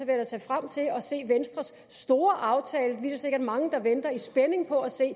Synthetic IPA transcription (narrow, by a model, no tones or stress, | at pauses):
æʋeɐæt͡sʰɛfʁam̰t͡sʰe̝lɒ̽se̝̰ːʋensd̥ʁɐsː | d̥o̝ːɐʔɑ̈ʊt͡sʰɛːləd̥ʋḭsɐse̝ɡ̥ɐd̥mɑ̈ŋəd̥ɑ̈ʋend̥ɐisb̥ene̝ŋpʰɒ̽æse̝̰ː